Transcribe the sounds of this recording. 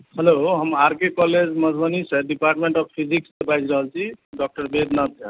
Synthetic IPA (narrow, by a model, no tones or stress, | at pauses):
heloɦəmaɾkekɔled͡ʒməd͡ʒʱbəniseɖipaɾʈmeɳʈɔb̚pʰid͡ʒiksebaɪd͡ʒɾəɦəlt͡ʃʰiɖɔk̚ʈəɾbed̪nad̪eə